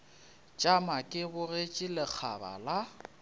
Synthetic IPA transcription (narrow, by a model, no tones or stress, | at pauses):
t͡ʃʼamakʼɪbʊret͡ʃʼɪlɪk͡xʰa̰ba̰la